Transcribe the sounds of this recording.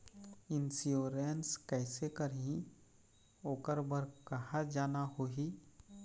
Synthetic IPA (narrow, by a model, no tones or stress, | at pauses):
ɪnsijoːɾenskɛːsekəɾɦĩ | oːkəɾbəɾkɐɦad͡ʒaːnaɦoːɦi